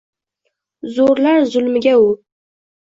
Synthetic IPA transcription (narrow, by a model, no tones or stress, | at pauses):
zoɾlarzʊlmɨɡʲau